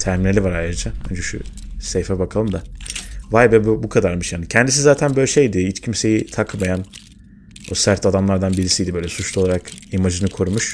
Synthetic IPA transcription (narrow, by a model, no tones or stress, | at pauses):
t̪ʰæɾmineivaɾajɾɯd͡ʒahønd͡ʒɛʃṵsejfɛbakʰalˠɯmd̪avajbɛbubukʰad̪aɾmɯʃjaːnicʰɛnd̪is̬izaːt̪ʰænbøjlʲɛʃe̞jd̪ɪhit͡ʃcʰimse̞jit̪ʰakmajan | osæɾt̪ʰad̪amlˠaɾd̪anbiɾisiːd̪ʲɛbø̞jlʲɛsut͡ʃʰlˠuo̞lˠaɾakimad͡ʒɯnɯkʰo̞ɾumuʃ